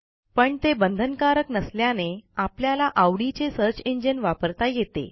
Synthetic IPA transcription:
pəɳt̪ebənd̪ʱənkaɾəknəsljaneapljalaʔaʋɽit͡sesəɾt͡ɕeɲd͡ʑənʋapəɾt̪ajet̪ḛ

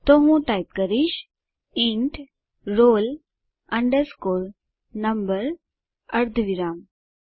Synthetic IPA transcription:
t̪oŋũʈajp̚kəɾiɕ | iɳʈ | ɾol | əɳɖəɾskoɾ | nəmbəɾ | əɾd̪ʱʋiɾam

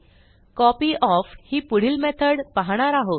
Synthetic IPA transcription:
kɔpiːʔɔfhiːpuɽ̤iːlmɛt̪ʰəɽpaɦɽ̃aɾaɦot̪

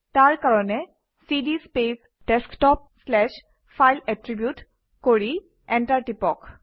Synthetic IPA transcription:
taɹkaɹɔnɛ | sidispes | ɖ̥ɛsktɔp̚slɛʃ | fʰajlɛtɹibjut | koɹi | ɛntaɹʈipɔk

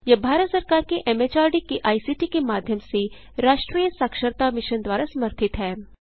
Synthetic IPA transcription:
jɐbʱaːɾət̪sɐɾkaːɾkeʔɛmeːt͡ʃaːɾɖikeʔaːisiːʈikemaːd̪ʱjəmse | ɾaːʃʈɾiːjəsaːkʃəɾt̪amɪʃənd̪waːɾasɐməɾt̪ʰɪt̪ɦɛː

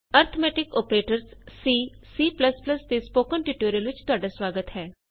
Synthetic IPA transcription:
əɾt̪ʰomɛːʈɪkɔːpɾeːʈəɾsːiːsiːpləspləst̪eːspoːkənʈiːʈoːɾijəlʋɪt͡ʃt̪ʊaːɖaːswaːɡət̪ɦɛː

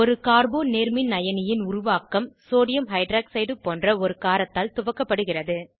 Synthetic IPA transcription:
ɔɾɯkaːɾboːnneːɾmɪnːɐjɐnɪjɪnʊrʊʋaːkːɐmsoːɽɪjɐmɦɐɪɖɾaːksɐɪɖɯpːoːndrɐɔɾɯkaːɾɐt̪ːaːlt̪ʊʋɐkːɐpːɐɽɯɣɪrɐðɯ

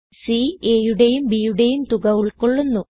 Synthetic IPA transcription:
sieːjuɽe̞jumbijuɽe̞jumt̪uɣɐʋiɭkoɭːunːu

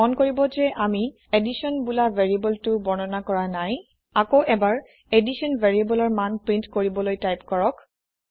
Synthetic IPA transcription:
ɔnkoɹibɔzɛʔami | edisɔnbulavʱeɹiebɔltʊbɔnɔnakɔɹanaj | akoʔɛbaɹ | edisɔnvʱeɹiebɔlɔɹmanpɹintkoɹibɔlojtajpkɔɹɔk

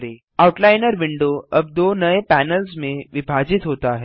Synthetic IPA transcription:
ɾe | awuʈlaɪnəɾʋɪɳɖoəb̚d̪oːnəepænəlsmẽʋɪbʱad͡ʒit̪ɦoːt̪aɦɛ

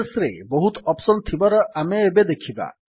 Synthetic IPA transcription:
sɾḛbɔɦut̪ɔpsɔnt̪ʰibaɾɔʔameːbed̪ekʰiba̰

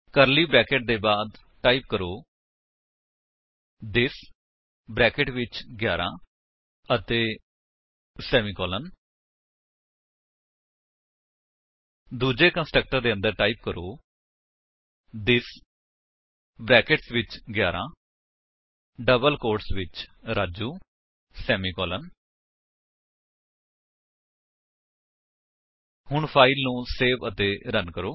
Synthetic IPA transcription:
kəɾliːbɾɛːkeːʈ̚d̪eːbaːd̪ | ʈaːiːp̚kəɾoː | d̪ɪs | bɾɛːkeʈʋɪt͡ʃɡjaːɾʔã̰ː | ət̪eː | sɛːmiːkɔːlən | d̪uːd͡ʒeːkə̃nsʈɾək̚ʈəɾd̪eːə̃nd̪əɾʈaːiːp̚kəɾoː | d̪ɪs | bɾɛːkɪʈsʋɪt͡ʃɡjaːɾʔãː | ɖəbəlkoːɾʈsʋɪt͡ʃɾaːd͡ʒuː | sɛːmiːkɔːlən | hʊɳpʰaːɪlnũːseːʋət̪eːɾənkəɾoː

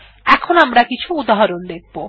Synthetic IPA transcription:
ɛkʰonoamɾakit͡ʃʰuːd̪aɦɔɾond̪ek̚ʰbo

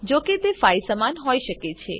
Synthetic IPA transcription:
d͡ʒoket̪efajsəmanɦoiʃəket͡ʃʰḛ

